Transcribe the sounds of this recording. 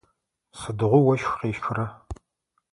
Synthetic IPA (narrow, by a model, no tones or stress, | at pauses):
sɨdɨʁʷʊwɐʃxʷqeːʃkʷʰʊrɐ